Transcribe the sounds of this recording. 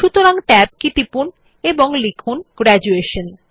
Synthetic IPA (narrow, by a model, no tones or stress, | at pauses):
ʃut̪oɾaŋʈɛb̚kit̪ipun | eboŋlikʰunɡ̥ɾɛd͡ʑueʃon